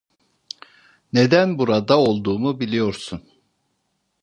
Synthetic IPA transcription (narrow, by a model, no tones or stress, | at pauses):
ne̞d̪ænbuɾad̪ao̞lˠd̪uːmubilʲijo̞ɾsun